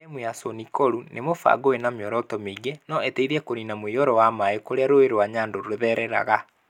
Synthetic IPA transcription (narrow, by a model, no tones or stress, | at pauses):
emweasonikoɾunʔemofa̰ɡoenameɔɾɔtɔmeiɡenɔeteiɾɛkoninamwiɔɾɔwamaekoɾeaɾoeɾwaɲaːndoɾoeðɛɾɛɾa̰ɣa